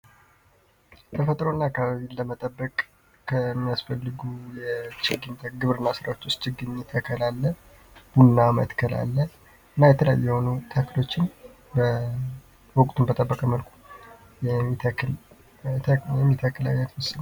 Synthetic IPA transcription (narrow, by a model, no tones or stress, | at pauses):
t̪ʰəfət̪ʼɾo̞nːaːkːaβaβiləmət̪ʼəbːəkʼːʰ | əmːijasfəlːɨɡujɛt͡ʃɪɡɨɲt̪ʰəɡɨβɾɨnːasɨɾawot͡ʃ̪ːwost̪t͡ʃɪɡɨɲːɛt̪ʰəkʰəlalːə | b̥unːamə̰t̪kʰəla̰lːə | ʔɨnːajɛt̪ʰələja̰jːɛho̞nut̪ʰəkʰɨlo̞t͡ʃːɪn | bə | wɔkʼt̪ʰunbət̪ʼəbːəkʼəməlkʷʰu̥ | jɛ | ɛmːit̪ʰəkʰːɨla̰jat̪wəsːɨn